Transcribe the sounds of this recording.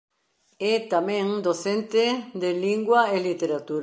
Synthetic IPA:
et̪amẽŋd̪oθent̪ed̪eliŋɡwaelit̪eɾat̪uɾ

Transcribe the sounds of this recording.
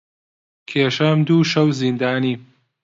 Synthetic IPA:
kʰeːʃɐmd̪uːʃɐwzind̪aːniː

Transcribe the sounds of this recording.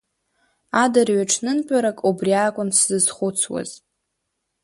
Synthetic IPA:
adarɥaʈ͡ʂʰnɨnpʲʼaɾakʼubriaːkʷʼʊnszɨzχʷʊt͡sʰwa̰z̥

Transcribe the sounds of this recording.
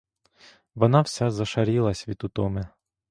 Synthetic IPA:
ʋɔnɑwsʲazɐʃɐɾʲilˠɐsʲʋʲit̪ʊt̪ɔmɛ

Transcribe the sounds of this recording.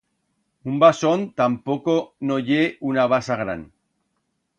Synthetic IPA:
umbasont̪ampokonojeunaβasaɣɾa̰n

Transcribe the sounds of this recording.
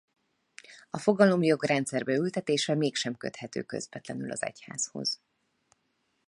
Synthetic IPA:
ɒfo̞ɡɒlo̞mjo̞ɡrɛnt̪sɛrbɛylt̪ɛt̪eːʃɛmeːkʃɛmkø̞̰t̪hɛt̪ø̰ːkø̞̰zbɛt̪lɛnylɒ̰zɛ̰cha̰ːzho̞̰z̥

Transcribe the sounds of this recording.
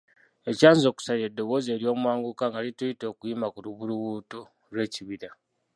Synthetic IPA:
e̞caːnzo̞ːku̥saiɾedːo̞βo̞ːze̞ːɾjo̞ːmwaːŋɡukaŋɡalitujito̞ːkujimakuluβuluβuːtu | lwe̞ːciβiɾa

